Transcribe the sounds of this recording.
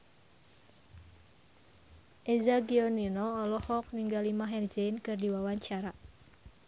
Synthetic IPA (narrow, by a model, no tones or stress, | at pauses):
ʔɛzaɡiɔninɔːlɔhɔk̚niŋɡalimaɦɛrd͡ʒɛinkɨrdiwawaɲt͡ʃaɾa